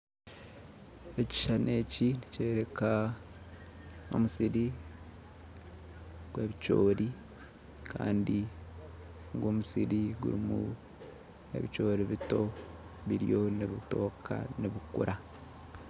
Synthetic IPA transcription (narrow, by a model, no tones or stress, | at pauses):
eci̥ʃane̞ːciniceːɾe̞ka | o̞̰musiɾi | ɡ̥we̞ːβit͡ʃo̞̰ːɾi | kʰa̰ːndi | ŋɡoːmusiɾiɡṵɾimṵ | e̞̰βit͡ʃo̞ːɾiβito̞ | βiɾijo̞niβito̞ːkʰa̰niβukṵɾa